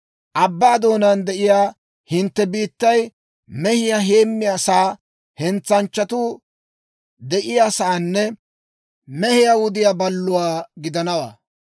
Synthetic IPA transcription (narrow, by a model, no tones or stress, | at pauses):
ʔɐbːaːd̪o̞ːnɐnd̪ɛʔɪjaː | hɪnt̪ːɛbiːt̪ːɐj | mɛhɪjaɦe̞ːmːɪjasaː | hɛnt͡sːɐnt͡ʃːɐt̪uː | d̪ɛʔɪjaːsaːnːɛ | mɛhɪjawʊd̪ɪjaːbɐlːʊwaːɡɪd̪ɐnɐwa̰ː